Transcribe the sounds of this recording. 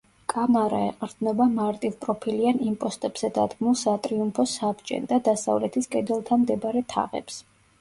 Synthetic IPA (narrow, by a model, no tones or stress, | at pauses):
kʼamaɾaɛ̰qʼɾd̪nɔbamaɾt̪ʼivpʼɾɔpʰilianimpʼɔst̪ʼɛbz̥ɛd̪ad̪ɡmulˠsat̪ʼɾiumpʰɔsabd͡ʒʼɛ̰nd̪ad̪asa̰vlɛt̪ʰiskʼɛd̪ɛlˠt̪ʰamd̪ɛbaɾɛt̪ʰa̰ʁɛ̰ps